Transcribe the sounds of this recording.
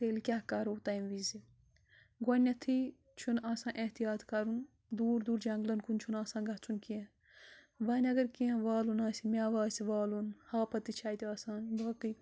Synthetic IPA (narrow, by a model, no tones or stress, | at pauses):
t̪eːlkʲaːkɐɾoːt̪aːjmʋizi | ɡɐnːɐt̪ʰi | t͡ʃʰunaːsãːnʔeɦt̪ijaːt̪kɐɾun | d̪uːɾd̪uːɾd͡ʒɐŋɡlɐnkunt͡ʃʰunaːsãːnɡɐt͡sʰunkiẽ | ʋɐnʲɐɡɐɾkiẽʋaːlunaːsimʲaːʋaːsiʋaːlunhaːpɐt̪it͡ʃʰaːjt̪iaːsaːnbaːkɨ